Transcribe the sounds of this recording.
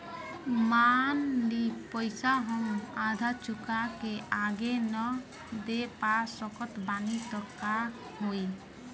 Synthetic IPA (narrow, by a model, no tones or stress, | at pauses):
manlipɔjsaɦɔŋad̪ʱat͡ʃukakeaɡenɔ | d̪epasɔkɔt̪banit̪ɔkːa | ɦoj